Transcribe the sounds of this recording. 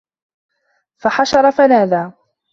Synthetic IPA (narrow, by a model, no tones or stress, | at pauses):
faħaʃɑɾˤɑfanaːd̪aː